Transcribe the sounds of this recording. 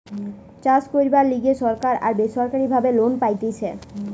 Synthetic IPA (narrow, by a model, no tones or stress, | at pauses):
t͡ɕaskoɾibaɾliɡeʃɔɾkaɾa̰ɾbeʃɔɾkaɾibʱabelonpajt̪et͡ɕʰe